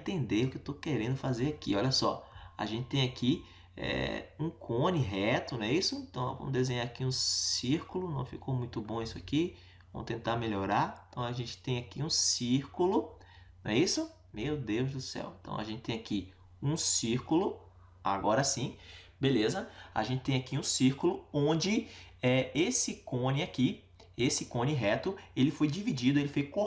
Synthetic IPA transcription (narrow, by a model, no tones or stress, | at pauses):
ẽt̪ẽnd̪eɾʊkewt̪okeɾẽnd̪ʊfazeɾakiɔlʲɐsɔ̰a̰ʒẽnt͡ʃɪ̥t̪ẽj̃akʰi | ɛ̰ũkʰõnɪɦɛt̪ʊñɛisʊẽnt̪ɐ̃w̃nɛvɐ̰̃mʊd̪ezẽɲaɾakiũsiɾkʊlʊnɐ̰̃w̃fikomũj̃t̪ʊbõisʊaki | vɐ̰̃mʊt̪ẽt̪ameʎoɾaɾẽt̪ɐ̃w̃aʒẽnt͡ʃɪ̥t̪ẽj̃akiũsiɾkulʊ | nɐ̃ɛisʊ | mewd̪ewzd̪ʊsɛ̰wẽt̪ɐ̰̃w̃a̰ʒẽnt͡ʃɪt̪ẽaki | ũsiɾkʊlʊ | a̰ɡɔɾɐsĩ | belezɐa̰ʒẽnt͡ʃɪ̥t̪ẽj̃akiũsiɾkʊlʊõd͡ʒɪɛesɪkõnɪaki | esɪkõnɪɦɛt̪ʊelɪfojd͡ʒivid͡ʒid̪ʊelɪfojko